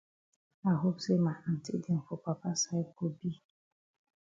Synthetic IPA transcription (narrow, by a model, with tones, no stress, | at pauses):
a˨ɦo˦bse˦ma˨n̩˨tḭ˦di˨ŋ̩˨fʊ˨pa˨pa˦sa˦i˦ko˦bi˦